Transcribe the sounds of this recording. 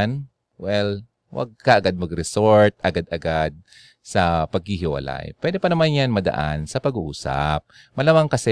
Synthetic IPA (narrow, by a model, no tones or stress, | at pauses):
n | wɛl | wa̰ɡ̚kɐʔɐɡad̪̚mɐɡɾɛsoɹt̪̚ʔɐɡad̪ʔɐɡad̪̚ | sɐpɐɡ̚hɪɦɪwɐ̰la̰jpwɛd̪ɪpɐnɐmanjanmɐd̪ɐ̰ʔansɐpɐɡuʔuːsa̰p̚ | mɐlamaŋkɐsɛ